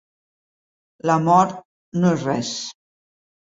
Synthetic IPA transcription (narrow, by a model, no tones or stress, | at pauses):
ləmɔɾt̪ | noesrɛs